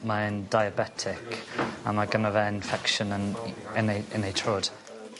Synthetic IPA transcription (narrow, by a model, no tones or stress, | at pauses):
maɛndajabɛtʰɪkʰa̰maɡənavɛɪnfɛkʃənənɛneɪnejtʰroːd̥